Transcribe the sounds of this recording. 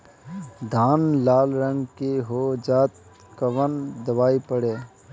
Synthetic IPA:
d̪ʱaːnlaːlɾə̃ŋɡkeɦod͡ʒaːt̪̚ | kəʋənd̪əbaːipəɽeː

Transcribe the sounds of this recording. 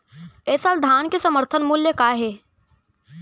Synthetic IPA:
eːsald̪ʱaːnkesɐməɾt̪ʰənmʊljəkaːɦeː

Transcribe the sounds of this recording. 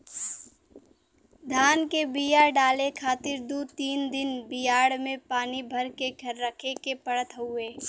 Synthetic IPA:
d̪ʱaːnkebijaɖaːlekʰaːt̪ɪɾd̪uːt̪iːnd̪ɪnbɪjaːɽmẽpaːnibʱɐɾkeɡʰʱɐɾːəkʰekepəɽət̪ɦʊeː

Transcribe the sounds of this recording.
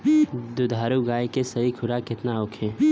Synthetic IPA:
d̪ʊd̪ʱaːɾuɡaːjkesɐikʰʊɾakɪt̪naʊkʰẽː

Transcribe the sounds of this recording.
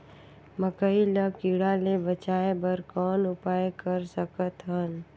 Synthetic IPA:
məkəiləkiɽalebət͡ʃaːebəɾkɔːnʊpaːjekəɾsəkət̪ɦən

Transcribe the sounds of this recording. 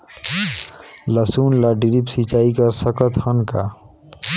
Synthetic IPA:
ləsuːnlaɖiɾipsit͡ʃaːikəɾsəkət̪hənka

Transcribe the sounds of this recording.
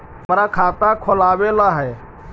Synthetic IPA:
məɾakʰat̪akʰolabelaɦɛj

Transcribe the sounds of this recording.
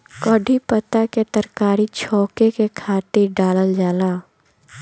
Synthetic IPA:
kɔːɖʱipət̪aket̪əɾkaːɾit͡ʃʰɔːkekekʰaːt̪ɪɾɖaːləld͡ʒaːlaː

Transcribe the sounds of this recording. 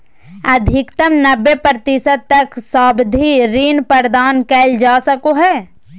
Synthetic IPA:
ɐd̪ʱɪkt̪əmnɐbːepɾət̪isət̪̚t̪ːɐksaːbd̪ʱiɾiːnpəɾd̪aːnkɛːld͡ʒaːsəkoɦɛː

